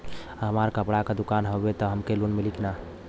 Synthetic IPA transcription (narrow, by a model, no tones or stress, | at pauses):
ɦəmaɾkəpɽakad̪ukanɦəet̪ɔɦəmkelunmilikina